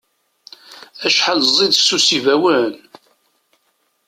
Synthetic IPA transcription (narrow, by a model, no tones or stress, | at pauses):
æʃħalzˤiðsːusivæwən